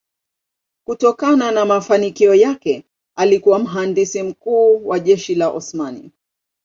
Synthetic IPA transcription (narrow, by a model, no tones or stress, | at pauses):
kutɔkananamafanikiɔjakɛ | alikuwam̩ɦandisim̩kuːwaʄɛʃilaʔɔ̰smanḭ